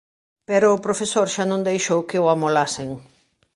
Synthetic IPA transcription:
pɛɾoːpɾofesoɾʃanõŋd̪ejʃowkɪʊamolasɪŋ

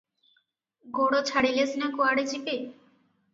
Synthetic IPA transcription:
ɡoɽot͡ɕʰaɽilesnakoaɽed͡ʑipe

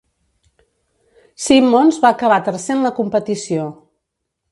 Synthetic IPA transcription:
simːonzβaəkəβ̞at̪əɾsenləkumpət̪isio

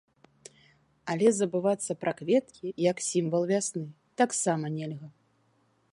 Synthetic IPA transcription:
ɐlʲɛzɐbɨvat̪sːɐpɾʔɐkvʲɛt̪kʲijɐksʲimvɐlˠvʲasnɨ | t̪aksamɐnʲɛlʲɣɐ

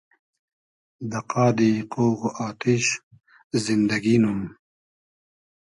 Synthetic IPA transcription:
d̪ɐqaːd̪iqoːɣaːt̪iɕ | zind̪ɐɡinum

